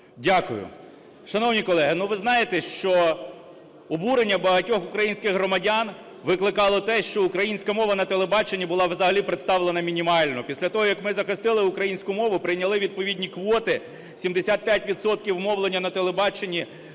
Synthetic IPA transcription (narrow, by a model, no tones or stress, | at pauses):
dʲakʊ̰jʊ̰ | ʃɐnɔwnʲikɔlˠɛɦɪnuʋɪznɑjet̪ɛʃt͡ʃɔ | ɔbuɾenʲːɐbɐɦɐtʲɔxʊkɾɐjinʲsʲkɪxɦɾɔmɐdʲan | ʋɪklˠɪkɑlˠɔt̪ɛʃt͡ʃɔʊkɾɐjinʲsʲkɐmɔʋɐnɐt̪elˠebɑt͡ʃenʲːibʊlˠɑʋzɐɦɐlʲipɾet̪st̪ɑʋlˠenɐmʲinʲimɑlʲnɔpʲisʲlʲɐt̪ɔɦɔjɐkmɪzɐxɪst̪ɪlˠɪʊkɾɐjinʲsʲkʊmɔʋʊpɾɪjnʲɐlˠɪʋʲid̪̚pɔʋʲidʲnʲikʋɔt̪ɪ | sʲimd̪esʲat̪̚pʲjatʲʋʲid̪sɔt̪kʲiwmɔwlˠenʲːɐnɐt̪elˠebɑt͡ʃenʲːi